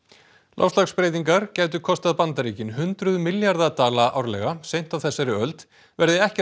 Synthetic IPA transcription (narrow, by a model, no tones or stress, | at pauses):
lʔa̰fst̪lakspɾeːjt̪iŋkaɾ̥caːjt̪̬ʏkʰɔst̪aðpant̪aɾiːcɪnɦʏnt̪ɾʏðmɪljaɾðat̪aːlaʔa̰wɾlɛ̰ɣasejn̥t̪avθɛsːaɾɪœlt̪ | vɛɾðɪɛhcɛ